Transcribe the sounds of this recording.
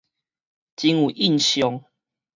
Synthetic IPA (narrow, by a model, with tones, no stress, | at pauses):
t͡ɕi˦ŋu˨˩ʔi˥˨nɕjɔ˨˦ŋ